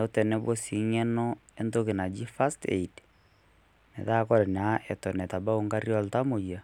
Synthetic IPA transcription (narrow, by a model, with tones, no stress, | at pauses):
o˦tɛ˨nɛ˦βo˦si˨ɲɛ˦nɔ˦ | e˦ndo˦ke˨na˨d͡ʒi˦fa˦stḛ˨id | nɛ̰˨ða˦kɔ˦ɾɛ˨na˨˦ʔɛ˨tɔ˨nɛ˨ta˨ba˦o˦ŋɡa˦ɾjɔ˦lta˦mo˨ja˨